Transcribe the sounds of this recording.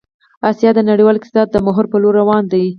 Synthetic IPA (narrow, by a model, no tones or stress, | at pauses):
ɑsijɑd̪ənaɽiwɑlk̪sɑd̪̚d̪əmʊɦʊɾpəloɾːawɑnd̪aji